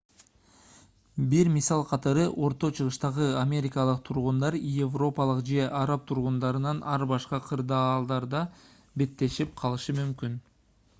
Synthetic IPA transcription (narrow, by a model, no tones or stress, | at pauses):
biɾmisɑlˠqʰɑt̪ɑɾɯʔo̞ɾt̪o̞t͡ʃʰɯʁɯʃt̪ɑʁɯamʲe̞ɾʲɪkɑlˠɯq̚t̪ʰuɾʁund̪ɑɾjevro̞pɑlˠɯqd͡ʒe̞ʔɑɾɑp̚t̪ʰuɾʁund̪ɑɾɯnɑnʔɑɾbɑʃqɑqʰɯɾd̪ɑːlˠd̪ɑɾd̪ɑ | be̞t̪ːe̞ʃip̚qʰɑlˠɯʃɯmymkyn